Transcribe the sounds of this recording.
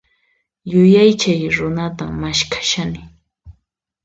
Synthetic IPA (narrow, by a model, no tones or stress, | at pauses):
jʊjajt͡ʃajɾʊnat̪aŋmaʃkʰḁʃanɪ